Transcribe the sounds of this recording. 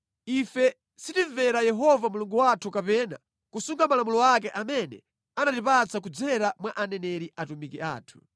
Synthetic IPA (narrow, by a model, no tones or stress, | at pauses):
ifɛ | sitiɱvɛɾajɛɦɔvamuluŋɡuwatʰukapɛːna̰ | kusuŋɡamalamulɔak̬ɛʔamɛnɛ̰ | anatip̬at͡sak̬ud͡zɛɾamwaʔanɛnɛɾiʔatumikiʔa̰ːtʰu̥